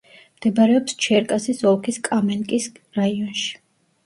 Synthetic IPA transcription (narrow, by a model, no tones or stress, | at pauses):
md̪̥ɛbaɾɛɔpst͡ʃʰɛɾkʼasisɔlˠkʰiskʼamɛnkʼis | ɾaiɔnʃi̥